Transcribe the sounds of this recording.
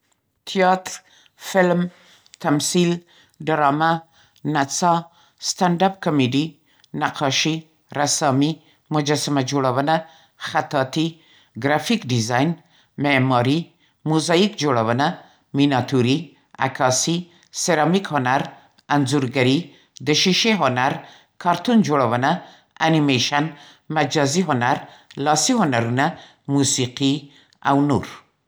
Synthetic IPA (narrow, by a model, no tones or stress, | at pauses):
t̪ʰijɑt̪ɾ | fɪlm | t̪amsil | ɖəɾɑma | nat͡sɑ | st̪aɳɖap̚kɔmeɖi | naqʰɑʃi | ɾasɑmi | mʊd͡ʒasamad͡ʒoɽawəna | xat̪ɑt̪i | ɡɾafikɖizɑjn | memɑɾi | muzɑjikd͡ʒoɽawəna | minat̪ʰuɾi | a̰kʰɑsi | seɾɑmikhonaɾ | anzuɾɡaɾi | d̪əʃiʃeɦonaɾ | kʰɑɾt̪und͡ʒoɽawəna | animeʃan | mad͡ʒɑziɦonaɾlɑsiɦʊnaɾuna | musiqi | a̰wnuɾ